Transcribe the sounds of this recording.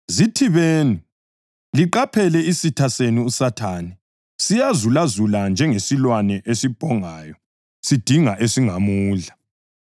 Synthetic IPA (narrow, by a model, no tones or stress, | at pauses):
zitʰiβeːni | liǃapʰɛlɛisitʰaseniusatʰaːnɛ | sijazulazuland͡ʒʱɛŋesilwanɛʔesib̥ʱɔŋaːjɔ | sid̥ʱiŋaʔesiŋamuːɮa